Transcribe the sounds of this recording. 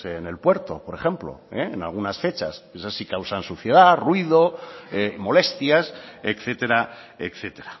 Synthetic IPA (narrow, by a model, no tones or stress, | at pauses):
eːne̞lpwe̞ɾt̪o̞̰po̞ɾe̞χe̞mplo̰eena̰lɣunasfe̞t͡ʃasesasikawsansuθje̞ð̞arwið̞o̞emo̞le̞st̪jasekθe̞t̪e̞ɾa | ekθe̞t̪e̞ɾa